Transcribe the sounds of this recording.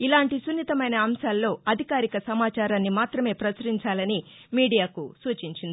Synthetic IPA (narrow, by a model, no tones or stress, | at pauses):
ilaːɳʈisunːit̪ɐmɐjnɐːmʃaːlːo̞ːɐd̪ʱikaːɾikɐsɐmaːt͡ʃaːɾaːnːimaːt̪ɾɐme̞ːpɾɐt͡ʃɐɾiɲt͡ʃaːlɐni | miːɽijaːkusuːt͡ʃiɲt͡ʃind̪ii